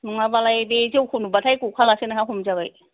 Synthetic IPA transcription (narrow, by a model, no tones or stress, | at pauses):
nɔŋabalajbezewkʰunubatʰajkukʰalasenaɦaɦumzaɡaj